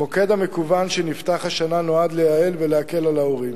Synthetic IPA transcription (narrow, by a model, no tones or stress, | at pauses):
mo̞ked̪amekuvanʃenift̪aχhaʃanano̞ad̪lejaelveleake̞lalaoʁim